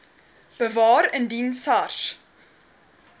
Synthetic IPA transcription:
b̥əvɑːɾəndinsɐrs

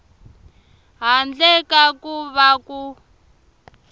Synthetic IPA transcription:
ɦand͡ɮɛkakuβaku

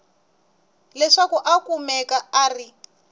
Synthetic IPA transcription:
lɛʂakuʔakumɛkaaːri

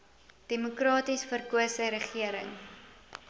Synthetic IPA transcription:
d̥emukrɑːtisfərkuəsəɾəχiəɾə̰ŋ

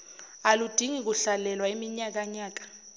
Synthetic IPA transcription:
alud̥ʱiŋik̬uɬalɛlwaimiɲak̬ʼaɲaːk̬ʼḁ

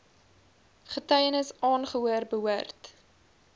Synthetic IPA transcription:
χətɐjənəsɑːnχəɦuərbəɦuərt

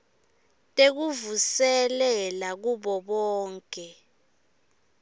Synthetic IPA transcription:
tʼek̬uvusɛlɛlak̬uɓɔɓɔːŋkʼɛ

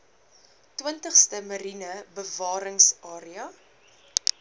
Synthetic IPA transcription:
twəntəχstəmɐɾinəbəvɑːɾəŋsɑːɾiɐ

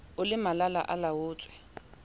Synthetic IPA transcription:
ʊlɪmalala̰ʔalawʊːt͡sʼwɛ

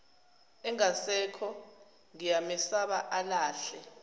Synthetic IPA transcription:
ɛŋasɛkʰɔ | ŋijamɛsaɓaʔalaːɬɛ

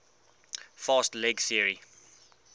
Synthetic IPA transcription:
fɑːstlɛɡsiəɹi

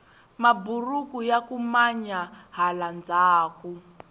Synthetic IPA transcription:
maburukujakumaɲaɦaland͡zaːku

